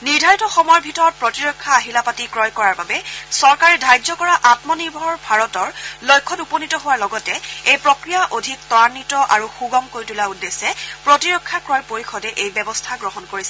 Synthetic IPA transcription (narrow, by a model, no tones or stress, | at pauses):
nidʱajutɔxɔmɔjɔbʱitɔɹɔt̚pɹotiɹɔkʰːaːɦilapatikɹɔjkɔɹaɹbabɛsɔɹkaɹɛdʱajd͡ʒɔkɔɹaʔatmɔniɹbʱɔɔɹbʱaɹɔtɔɹlojkʰːɔtuponitɔɦʊwaɹlɔɡɔtɛejpɹɔkɹijaʔodʱik̚tɔanːitɔʔaɹuxuɡɔmkoɹjtulaudːesɛpɹotiɹɔkʰːakɹɔjpoɹixɔdɛʔejbɛbɔstʰaɡɹɔɦɔnkoɹisɛ